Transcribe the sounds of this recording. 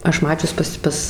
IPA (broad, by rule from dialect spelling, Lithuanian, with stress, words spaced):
ˈɐʃ ˈmɑːt͡ʃʲʊs pɐs ˈpɐs